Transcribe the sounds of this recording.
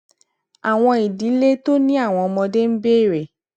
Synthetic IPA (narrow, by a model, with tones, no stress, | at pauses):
a˨w̃ɔ̃˧i˨di˨˦le˦to˦nĩ˦a˦˨w̃ɔ̃˧mɔ̃˧de˦m̩˦be˦˨ɾe˨